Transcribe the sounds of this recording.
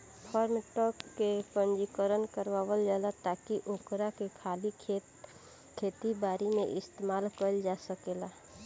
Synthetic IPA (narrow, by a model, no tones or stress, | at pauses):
pʰɔːɾmeʈɔːkːepə̃nd͡ʒikəɾənkəɾwaːwəld͡ʒaːlat̪aːkiʔʊkɾakekʰaːli | kʰeːt̪ibaːɾimḛ̃ʔɪst̪emaːlkəld͡ʒaːsəkeːlaː